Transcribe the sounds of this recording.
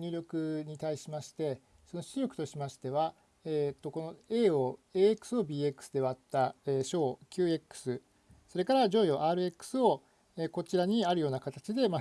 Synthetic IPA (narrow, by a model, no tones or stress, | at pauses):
ɲʲɨːɾʲo̞kɯ̟ɲ̟it̪aiɕimaɕi̥t̪e̞ | so̞no̞ɕiɾʲo̞kɯ̟t̪o̞ɕimaɕi̥t̪e̞β̞a | eːt̪ːo̞ko̞noe̞ːoːe̞ːekːɯ̥sɨo̞bʲiːe̞kːɯ̥sɨd̪e̞βaːt̪ːaeːɕo̞ːkʲɨːe̞kːɯ̥sɨ | so̞ɾe̞kaɾaʑo̞ːjo̞ːʔaːɾɯ̟e̞kːɯ̥sɨo̞ | eko̞t͡ɕiɾaɲ̟iaɾɯ̟jo̞ːnakat̪at͡ɕid̪e̞ma